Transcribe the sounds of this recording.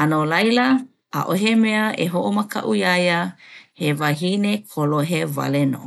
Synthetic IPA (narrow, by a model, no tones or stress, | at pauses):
anolajlə | a̰ʔoɦemeəʔeɦoʔoməkʰa̰ʔujajəhevaɦinekʰoloɦeva̰leno̰